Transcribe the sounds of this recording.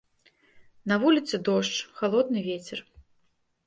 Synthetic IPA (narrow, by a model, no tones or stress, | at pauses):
nɐvulʲit̪sɨd̪ɔʂt͡ʂxalˠɔd̪nɨvʲet͡sʲɛr